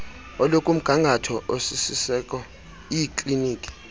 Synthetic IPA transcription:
ɔlokʼum̩ɡ̥ʱaŋɡʱatʰɔʔosisisɛkʼɔ | ijikʼliniːkʼi̥

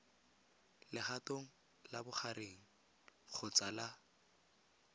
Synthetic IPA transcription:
lɪχatoŋ̩ | labʊχaɾeŋ̩ | q͡χʰʊt͡sala

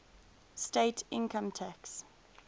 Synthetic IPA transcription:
steɪtʰɪ̰̃nkə̃mtʰæks

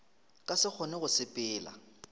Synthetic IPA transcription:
kʼasɪk͡xʰɔnɛɣʊsɪpʼɪːla̰

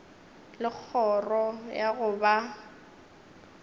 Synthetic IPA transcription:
lɪk͡xʰɔrɔjaɣʊba

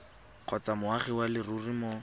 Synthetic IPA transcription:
q͡χʰɔt͡samʊaχɪwalɪrurimɔ

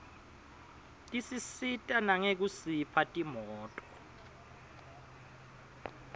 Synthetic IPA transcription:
tʼisisitʼanaŋek̬usipʰatʼimɔːtʼɔ̥

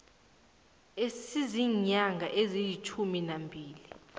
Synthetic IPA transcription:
esiziɲaŋʱaʔezijit͡ʃʰuminambʱiːli

